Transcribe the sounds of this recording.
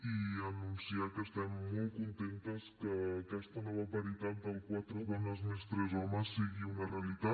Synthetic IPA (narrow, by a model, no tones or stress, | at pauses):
iənunsiakəːst̪ɛmːɔlˠkunt̪ent̪əskəːkɛst̪ənɔβapɐɾit̪at̪̚d̪əlˠkwat̪ɾuβanəzmest̪ɾɛzɔməsːiɣiunəreəlit̪a